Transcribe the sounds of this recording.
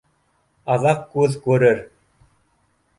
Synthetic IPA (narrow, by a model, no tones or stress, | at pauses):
ɑðɑqkːʉðkʉɾɘɾ